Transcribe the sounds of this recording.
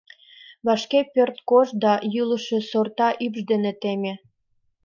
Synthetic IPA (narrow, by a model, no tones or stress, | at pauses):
βɑʃkepørt̪koʃd̪ɑjyləʃĕsort̪ɑʔybʒd̪enet̪emʲe